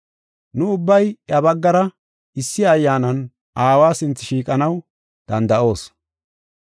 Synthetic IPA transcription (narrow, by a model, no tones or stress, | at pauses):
nʊʊbːɐjɐbɐɡːɐɾɐ | ɪsːɪɐjːaːnɐn | ʔaːwaːsɪnt͡sːɪʃiːkʼɐnɐw | d̪̥ɐnd̪ɐʔo̞ːs